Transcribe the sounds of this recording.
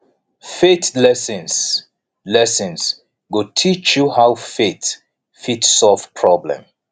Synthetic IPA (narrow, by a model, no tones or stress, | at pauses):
fetlɛsə̃ns | lɛsə̃ns | ɡotʰit͡ʃjuhawfet | fitsɔlvpʰɹɔblɛ̰̃m